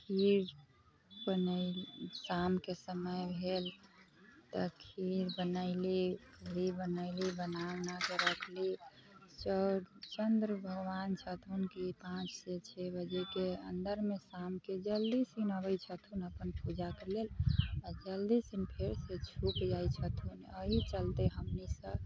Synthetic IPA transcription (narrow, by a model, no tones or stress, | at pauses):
kʰiɾ | bən | samkesəməjbʱel | t̪əkʰiɾbənəɪlikəɾibənəlibənawnakeɾəkʰlit͡ʃəɾt͡ʃənd̪ɾəbʱəɡʋant͡ʃʰət̪ʰunkipãt͡ʃset͡ʃʰebəd͡ʒekeə̰nd̪əɾmesamked͡ʒəld̪isinəbəjt͡ʃʰət̪ʰunəpənpud͡ʒakelelad͡ʒəld̪isinpʰeɾset͡ʃʰukd͡ʒajt͡ʃʰət̪ʰunəɦit͡ʃəlt̪eɦəmnisə